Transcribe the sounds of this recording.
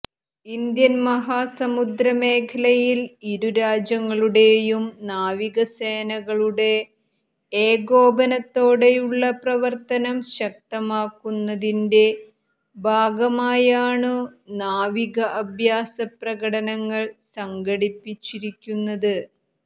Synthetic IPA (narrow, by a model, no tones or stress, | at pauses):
ind̪jɐnmɐɦaːsɐmud̪ɾɐme̞ːkʰɐlɐjiliɾuɾaːd͡ʑjɐŋːɐɭuɽe̞jumnaːʋiɣɐseːnɐɣɐɭuɽe̞ | eːɡo̞ːbɐnɐt̪ːo̞ːɽe̞juɭːɐprɐʋɐrt̪ɐnɐmɕɐk̚t̪ɐmaːkːunːɐðinde̞ | bʱaːɡɐmaːjaːɳɨnaːʋiɣɐʔɐbʱjaːsɐprɐɣɐɽɐnɐŋːɐɭsɐŋɡɐɽipːit͡ɕːiɾikʲːunːɐðɨ